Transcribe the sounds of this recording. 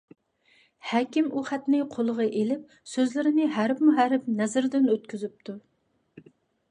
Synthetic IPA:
hæːkʲimuχæt̪nɪqʰolˠəʁɑʔelɪp̚ | søzlɪɾɪnɪɦæɾpmuɦæɾɪp̚nɛzɪɾd̪ɪnøt̪kʲʰyzyp̚t̪ʰu

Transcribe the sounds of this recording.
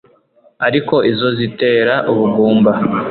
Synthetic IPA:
aɾiko̞ʔizo̞zite̞ːɾaʔuβuɡuːmba

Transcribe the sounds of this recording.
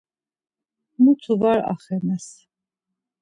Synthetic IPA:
mut̪ʰuvaɾa̰χɛnɛs

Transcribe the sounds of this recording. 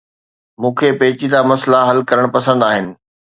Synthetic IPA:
mũːkʰepeːt͡ɕid̪amɐslaɦɐlkɐɾəɽ̃pɐsə̃nd̪aːɦɪnɪ̆

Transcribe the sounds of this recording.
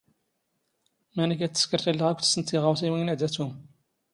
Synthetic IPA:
mænik̬æt͡sːə̥skəɾtælːəʁækʷθə̥sənt̪ːiʁəwsiwinæd̪æt͡sːum

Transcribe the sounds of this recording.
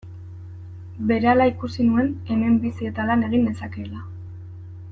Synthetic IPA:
be̞ɾealaikusinue̞ne̞me̞mbisie̞t̪alane̞ɣ̞ind̪e̞sake̞la

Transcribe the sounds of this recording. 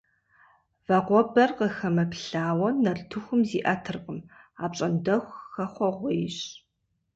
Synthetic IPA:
vɐqʷɔbɐrqəxɐmɐpɬaːwɐnɐrtʰɨxʷʊmziːʔɐtʰɨrqəmaːpɕʼɐndɐxʷxɐχʷɔʁʷɔjɕ

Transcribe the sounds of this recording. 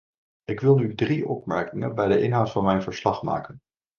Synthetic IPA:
ɪkʋɪlˠnydriɔpmɛɹkɪŋə̰nbɛjdəʔɪnɦawtfɑnmɛjnvəɹslɑχma̰ːkən

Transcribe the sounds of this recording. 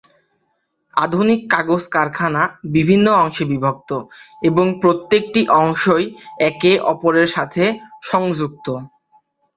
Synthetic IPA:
a̰d̪ʱunikːaɡoskaɾkʰanabibʱinːoɔŋʃebibʱok̚t̪oeboŋpɾot̪ːek̚ʈiʔɔŋʃojɛkeʔɔpoɾeɾʃat̪ʰeʃɔŋd͡ʑuk̚t̪o

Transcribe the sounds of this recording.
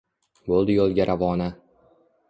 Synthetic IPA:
bolˠd̪ɪjɒlˠɡʲaɾʔavɒna

